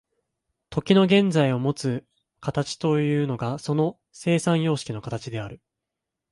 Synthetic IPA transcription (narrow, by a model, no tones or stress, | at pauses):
t̪ʰo̞kʲino̞ɡẽ̞nd͡zaio̞mo̞t͡sɨ | kat̪at͡ɕi̥t̪o̞jɯ̟ːno̞ɡaso̞no̞ | se̞ːsãɰ̃jo̞ːɕi̥kʲino̞kat̪at͡ɕid̪e̞aɾɯ̟